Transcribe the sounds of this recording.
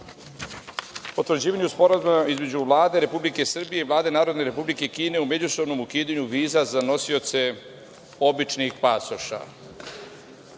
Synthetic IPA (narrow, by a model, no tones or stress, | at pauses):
ot̪ɾod͡ʑiːʋaɲuspo̞ɾazumaizme̞d͡ʑuʋlˠaːd̪e̞ɾe̞publike̞sr̩bije̞iʋvlˠaːd̪e̞naːɾo̞d̪ne̞ɾe̞publike̞kiːne̞ume̞d͡ʑuso̞bno̞mukiːd̪aɲuʋiːzazano̞sio̞t̪se̞ | o̞bit͡ʃnixpasoʃa̰